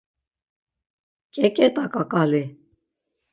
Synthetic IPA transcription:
kʼɛkʼɛt̪ʼakʼakʼali

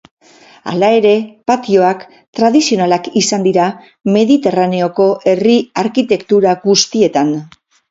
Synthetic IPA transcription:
a̰lae̞ɾe̞pat̪io̞ak | t̪ɾað̞isio̞nalakisand̪iɾa | me̞ðit̪e̞rane̞o̞ko̞ʔe̞riaɾkit̪e̞kt̪uɾaɣust̪ie̞t̪an

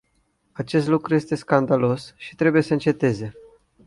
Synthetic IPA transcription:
at͡ʃe̞st̪lukɾuje̞st̪e̞skand̪alo̞sʃi̥t̪ɾe̞buje̞səɨnt͡ʃe̞t̪e̞ze̞

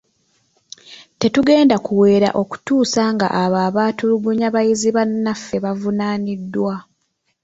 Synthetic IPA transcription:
te̞tuɡe̞ːndakuwe̞ːɾa̰ʔo̞ku̥tuːsaŋɡa̰ʔaβaːβaːtuluɡuɲaβajiziβanːafːe̞βavunaːnidːwa

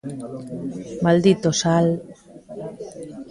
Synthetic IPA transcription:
mald̪it̪osal

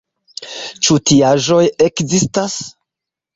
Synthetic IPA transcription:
t͡ʃutiaʒo̞jekzistas

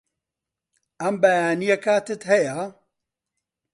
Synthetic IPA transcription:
ʔɐmbɐjaːnijɐkaːt̪ɨt̪hɐja

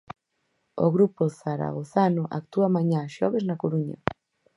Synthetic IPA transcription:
o̰ɣɾupoθaɾa̰ɣ̞oθanoʔak̚t̪uamaɲaʃɔβeznakoɾuɲa̰

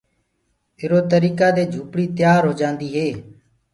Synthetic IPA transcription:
ɪɾoːt̪əɾiːkaːd̪eːd͡ʒʱuːpɽiːt̪ɪjaːɾɦoːd͡ʒãːnd̪iːɦeː

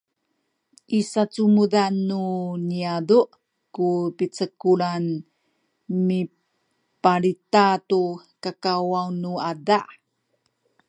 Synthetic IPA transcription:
ʔisat͡sumuðanːuniaduʔ | kupit͡səkuɭan | mi | paɾitatukakawawnuadaʔ

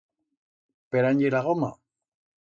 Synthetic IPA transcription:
peɾaɲɟeɾaɣoma̰

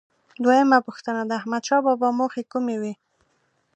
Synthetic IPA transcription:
d̪wajəmapuxt̪ənad̪əahmad̪ʃɑbɑbɑmoxekumewi

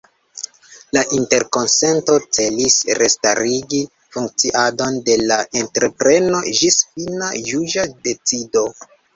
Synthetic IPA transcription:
laʔinte̞ɾko̞nse̞nto̞t͡se̞lisɾestaɾiɡi | fuŋk̚t͡siʔado̞nde̞laʔentɾe̞pɾe̞no̞ʒisfina̰juʒade̞t͡sido̞

